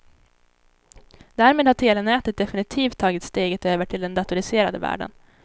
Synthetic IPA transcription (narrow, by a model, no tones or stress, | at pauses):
d̪̥æːɾmeːd̪haʈʰeːlənɛːt̪ət̪̚d̪ɛfɪnɪt̪ʰiːft̪ʰːɑːɡɪt̪st̪eːɡət̪øːvəʈʰɪld̪ɛnd̪at̪ʊɾɪseːɾa̰d̪əvæ̰ːɖə̰n